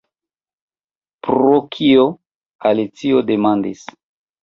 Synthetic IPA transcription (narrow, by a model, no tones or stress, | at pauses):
pɾokʰio | alit͡siodemandis